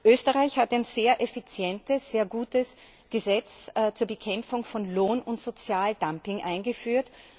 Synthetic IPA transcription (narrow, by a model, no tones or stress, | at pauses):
ʔøːstəʁaɪçhataɪnzeːɐʔefit͡sjɛntəsz̥eːɐɡuːtəs | ɡ̥əzɛt͡sːt͡suːɐbəkʰɛmfʊŋfɔnloːnʊntz̥ot͡sjaːldampɪŋʔa̰ɪnɡəfyːɐt